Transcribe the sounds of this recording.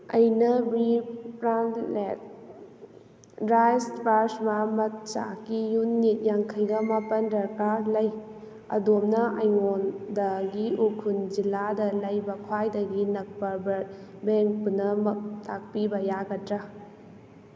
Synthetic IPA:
ɐjnɐbɾipɾanlet̚ | ɾajspaɾsmamɐt̚t͡ʃa̰kijunit̚jaŋkʰɐjɡɐmapɐndɐɾkalɐj | ɐ̰domnɐɐjŋondɐɡiukʰund͡ʒilːadɐlɐjbɐkʰwajdɐɡinɐk̚pɐbɐ | beŋk̚punɐmɐtʰak̚pibɐjaɡɐtɾɐ

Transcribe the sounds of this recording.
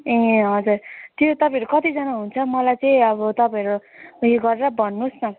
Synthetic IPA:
ẽɦʌd͡zurt̪jot̪ʌpʌ̃jʌɾukʌt̪id͡zʌnaɦunt͡sʰʌmʌlajt͡sʌĩʌβʌt̪ʌpãjʌɾujoɡʌɾeɾʌbʱʌnːusnʌ

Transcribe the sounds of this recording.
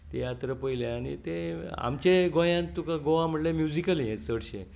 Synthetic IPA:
t̪ejat̪ɾəpəileañḭt̪ea̰mt͡ɕeɡõjãnt̪ːukaɡoʋãm̤əʈlemjud͡zikəlijesəɽɕẽ

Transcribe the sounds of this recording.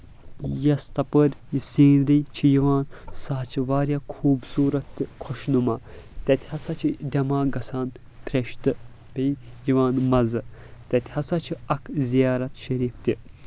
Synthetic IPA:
jɐst̪ɐpəɾʲisiːnɾijt͡ʃʰijiʋaːnsaːt͡ʃʰiʋaːɾʲjaːkʰuːbsuːɾɐt̪ːɨkʰoʃnumɐːt̪ʲɐt̪ʲhɐsɐt͡ʃʰid̪ʲɐmaːɡɐsaːn | pʰʲɾʲeʃt̪ɨ | bejiʋaːnmɐzɨt̪ɐt̪ʲhɐsɐt͡ʃʰiɐkʰzijaːɾɐt̪ʃɐɾiːft̪ʲi

